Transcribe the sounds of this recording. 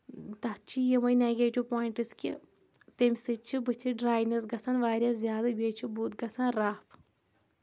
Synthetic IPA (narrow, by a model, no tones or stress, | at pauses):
t̪ɐt͡ʃʰijemɐjneːɡeːʈiʋpoːjiɳʈɨskʲi | t̪emʲsɨt͡ʃʰːɨbɨt͡ʃʰiɖɾaːjnɐsɡɐsʰɐnʋaːɾʲjaːzʲjaːd̪ɐbʲeːt͡ʃʰibuːt̪ɡɐt͡saːnɾaːpʰ